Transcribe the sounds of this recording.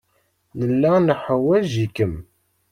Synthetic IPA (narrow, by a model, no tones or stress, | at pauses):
nəlːænəħəwæʒikəm